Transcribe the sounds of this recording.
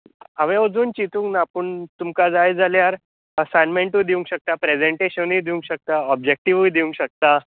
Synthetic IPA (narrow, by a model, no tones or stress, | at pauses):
aʋẽəd͡zuːnt͡ɕit̪ũŋknaːpəɳt̪umkad͡zajd͡zaljaɾ | əsajnmẽɳʈud̪iũŋɡɕək̚t̪apɾed͡zeɳʈeɕənijd̪iũŋɡɕək̚t̪aɔb̚d͡ʑek̚ʈiʋujd̪iũŋɡɕək̚t̪a